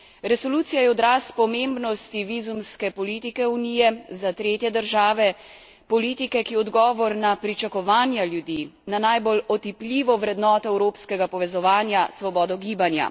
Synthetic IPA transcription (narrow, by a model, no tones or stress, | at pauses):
ɾɛsɔluːt̪sijajɛɔd̪ɾaːspɔmembnɔst̪iʋizumskɛpɔliːt̪ikɛuniːjɛzat̪ɾeːt̪jɛd̪əɾʒaːʋɛ | pɔliːt̪ikɛkiɔd̪ɡɔːʋɔɾnapɾit͡ʃakɔʋaːnjaljud̪iːnanajbolɔt̪iplʲiːʋɔʋɾɛd̪nɔːt̪ɔɛwɾoːpskɛɡapɔʋɛzɔʋaːnjasʋɔbɔːd̪ɔɡiːbanja̰